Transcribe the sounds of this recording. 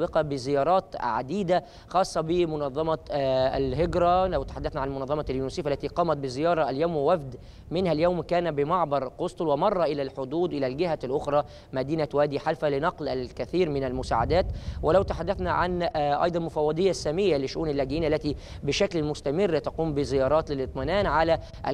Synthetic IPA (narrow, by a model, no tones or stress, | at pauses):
bɪqɑbɪzɪjɑːɾˤɑːt̪ʕa̰d̪iːd̪æ | xɑːsˤːɑbɪmʊnɑðˤːɑmɑælɦɪɡɾˤɑlæwt̪ḁħad̪ːæθnæʕanmʊnɑðˤːɑmɑljunusiːfʔælːæt̪iːqɑːmæt̪̚bɪzɪjɑːɾˤɑʔæljaːmwɪwæfd̪ | mɪnhæljawmkæːnæbɪmɑʕbɑɾˤqosˤt̪lwɪmɑrˤːɑʔɪlælħod̪uːd̪ʔɪlælɡɪɦælʔʊxɾˤɑː | mæd̪iːnæwæːd̪iːħalfælɪnɑqlʔælkæθiːɾmɪnælmʊsa̰ːʕa̰d̪æːt̪wɪlæwt̪aħad̪ːæθnæʕa̰nʔɑ̰jd̪ˤɑnmʊfɑwːɑd̪ˤejːasːæmɪjːalɪʃːʊʔuːnalːæːɡɪʔjiːnʔælːæt̪i | bɪʃæklmʊst̪æmɪrːt̪ɑquːmbɪzɪjɑːɾˤɑːt̪lɪlɨt̪ˤmɪnæːnʕalæ | ʔ